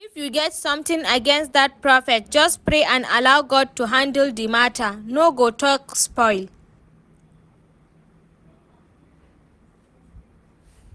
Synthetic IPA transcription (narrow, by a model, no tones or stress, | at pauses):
ifjuɡɛtsʌ̃mt̪ĩŋəɡɛ̃nst̚d̪at̚pɹɔfɛt̚d͡ʒʌspɹeʔãna̰lawɡɔd̚tuɦãndəldimatʰənoɡotʰɔkspɔɪl